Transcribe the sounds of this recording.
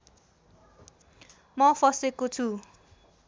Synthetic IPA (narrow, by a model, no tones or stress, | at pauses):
mʌfʰʌsekot͡sʰu